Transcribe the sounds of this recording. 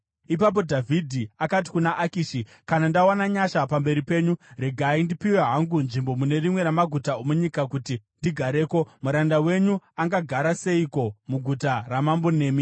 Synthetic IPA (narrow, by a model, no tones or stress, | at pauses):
ipap̬o̞dʱavʱidʱiakat̬i̥kunaʔakiːʃi | kanandawanaɲaʃapambe̞ɾipe̞ːɲuɾe̞ɡʱaindipiweɦaŋɡunʐimbo̞mune̞rimwe̞ɾamaɡʱutaomuɲikakutindiɡʱaɾe̞ːko̞muɾandawe̞ɲuaŋɡaɡʱaɾase̞iko̞muɡʱutaramambone̞ːmi